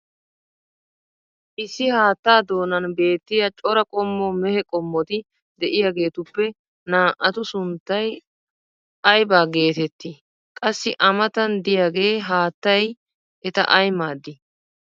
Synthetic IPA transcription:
ʔɪsːɪhaːt̪ːaːd̪o̞ːnɐnbe̞ːt̪ːɪjɐt͡ʃʼɔɾɐkʼɔmːɔmɛhɛkʼɔmːɔt̪ɪ | d̪ɛʔɪjaɡe̞ːt̪ʊpːɛ | naːʔɐt̪ʊsʊnt̪ːɐj | ʔɐjbaːɡe̞ːt̪ɛt̪ːi | kʼɐsːɪʔɐmɐt̪ɐnd̪ɪjaɡe̞ːɦaːt̪ːɐj | ʔɛt̪ɐ̰ʔɐjmaːd̪ːɪ

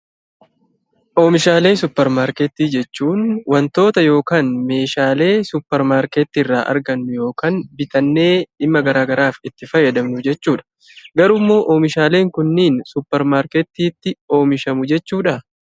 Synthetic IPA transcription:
ʔo̞ːmɪʃaːle̞ːsʊpːɛɾmaːɾket̪ːiːd͡ʒɛt͡ʃːuːnwɐnt̪o̞ːt̪ɐjo̞ːkaːnme̞ːʃaːle̞ːsʊpːɛɾmaːɾkeːt̪ːiːrːa̰ːʔɐ̰ɾɡɐnːʊjo̞ːkaːnbɪt̪ɐnːe̞ːɪmːɐɡɐɾaːɡɐɾaːfɪt̪ːɪfɐjːɐd̪ɐmnʊd͡ʒɛt͡ʃːuːᶑɐ̥ | ɡɐɾʊmːoːʔoːmɪʃaːle̞ːŋkʊnːiːnsʊpːɛɾmaːɾket̪ːiːt̪ːɪo̞ːmɪʃɐmʊd͡ʒɛt͡ʃːuːᶑɐ

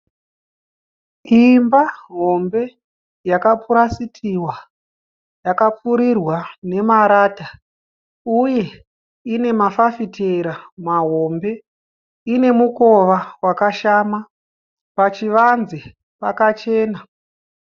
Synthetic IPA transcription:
imbaɦo̞mbe̞ | jakapuɾasitʰiwa | jakap͡fuɾirwane̞maɾaːta | uje̞ | ine̞mafafitʰeɾamaɦo̞mbe̞ | ine̞muko̞ʋawakaʃama | pat͡ʃiʋanzi | pakat͡ʃe̞ːna

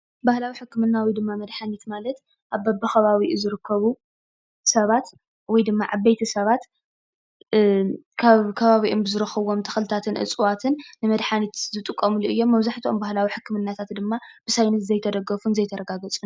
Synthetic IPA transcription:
bahlawiħɨkːɨmɨnːawid̪ɨmːamɐd̪ħanit̪malɐt̪ | ʔaβːɐbɐxɐβaβiʔzɨɾɨkʰːɐβu | sɐβat̪ | wɔjd̪ɨmːaʔaβɐjt̪ʰɐsɐβat̪ | kʰaβkʰɐβaβiʔombɨzɨɾɐxɐβo̞mt̪ʰɐ̥xlɨt̪ʰat̪ʰɨnʔɨ̰t͡sʼuwat̪ʰɨnːɨmɐd̪ħanit̪zɨt̪ʼɨkʼːɐmuluʔɨjːo̞mːɐβzaħt̪ʰiombahlawiħɨkːɨmɨnːat̪ʰat̪d̪ɨmːab̥ɨsajnɐt̪zɐjt̪ʰɐd̪ɐɡɐfunzɐjt̪ʰɐɾɐɡaɡɐt͡sʼun

